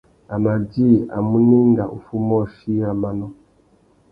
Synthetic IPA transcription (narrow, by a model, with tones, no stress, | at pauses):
a˨ma˨d͡ʒi˦˨a̰˨mu˦ni˦ŋɡa˨ʔṵ˨fu˦mɔ˦˨ʃi˦a˨ma˨nɔ˦